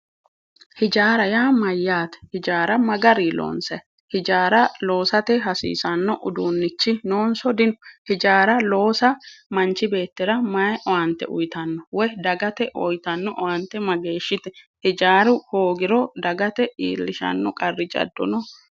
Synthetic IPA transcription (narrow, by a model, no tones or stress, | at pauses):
hɪd͡ʒaːɾɐjaːmɐjːaːt̪ɛ̥hɪd͡ʒaːɾɐmɐɡɐɾiːlo̰ːnsɐj | hɪd͡ʒaːɾɐlo̞ːsɐt̪ɛɦɐsḭːsɐnːɔʔʊd̪uːnːɪt͡ʃːɪnoːnsɔd̪ɪnɔhɪd͡ʒaːɾɐlo̞ːsɐmɐnt͡ʃːɪbe̞ːt̪ːɪɾɐmɐjʔɔwɐnt̪ːɛ̰ʔʊ̰jt̪ɐnːɔwɔjd̪ɐɡɐt̪ɛʔɔjt̪ɐnːɔʔɔwɐnt̪ːɛmɐɡe̞ːʃːɪt̪ɛ̥ | hɪd͡ʒaːɾʊhoːɡɪɾɔd̪ɐɡɐt̪ɛḭːlːɪʃɐ̰nːɔkʼɐrːɪd͡ʒɐ̰d̪ːɔ̰nɔ